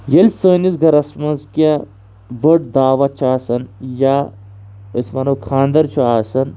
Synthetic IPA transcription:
jelʲsoːnisɡʱɐɾɐsmɐnzka | bəʈ̚d̪aːʋɐt͡ʃʰaːsɐnja | ɐsmɐnɐwkʰãːnd̪ɐɾt͡ʃʰuaːsɐn

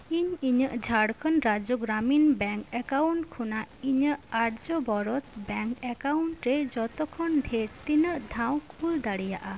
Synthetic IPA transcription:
iɲiɲəʔd͡ʒʱaɽkʰənɾad͡ʒuɡɾaminbɛŋkɛkawɳʈkʰunaiɲəʔaʈd͡ʒɔbɔɾɔt̪bɛŋkɛkawɳʈɾɛd͡ʒɔt̪ɔkʰɔnɖʱeɾt̪inəʔd̪ʱãw̃kʰuld̪aɽija̰ʔa

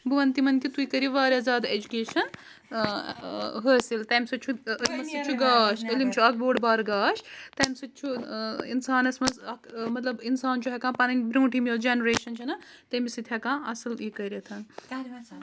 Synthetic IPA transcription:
bɨʋɐnt̪imɐnkit̪uikɐɾiʋaːɾʲjaːzaːd̪aed͡ʒukeːʃɐn | ɦəːsilt̪ɐːmʲsɐt̪t͡ʃʰuɐlmɐsɐt͡ʃʰuɡaːʃəlimt͡ʃʰuɐk̚boːɖbaːɾɡaːʃt̪ɐmʲsɐt̪̚ːt͡ʃʰuḭnsaːnɐsmɐzɐkmɐt̪lɐbinsaːnt͡ʃʰuɦɐkãːpɐnɐnʲbɾũːʈʰimijod͡ʒenɾeːʃɐnt͡ʃʰɐnɐ | t̪ɐmisit̪ʰʲɦɐkãːɐsɐliːkɐɾit̪ʰɐn

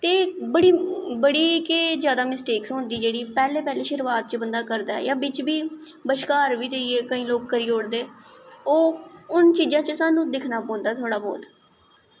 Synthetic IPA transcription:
t̪eːbəɽiːbəɽiːkezjaːd̪aːmɪsʈeːksɦõːnd̪iːd͡ʒeːɽiːpɛːleːpɛːleːʃɪɾʋaːt̪̚t͡ʃbənd̪aːkəɾd̪aːɛ̰jãːbɪt͡ʃbiː | bəʃkaːɾʋiːd͡ʒəieːkəĩːloːkkəɾiːoːɽd̪eːoːʊnt͡ʃiːd͡ʒãːt͡ʃəsaːnũːd̪ɪkʰnaːpõːnd̪aːt̪ʰʊaːɽaːbo̰ːt̪

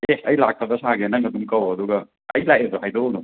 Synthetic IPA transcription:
eɐjlak̚tɐbɐsaɡenɐŋɐdumkɐwɐduɡɐ | ɐjlajebɐɦajdonu

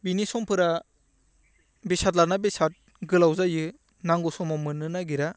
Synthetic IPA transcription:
binisɔmpʰɯɾa | besat̚lanabisat̚ | ɡɯlawzajɯ | naŋɡɔsɔmɔmɯnɯnaɡiɾa

